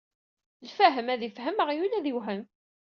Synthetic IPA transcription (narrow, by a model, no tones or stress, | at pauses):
lfæɦəmæðifɦəməʁjulæðiwɦən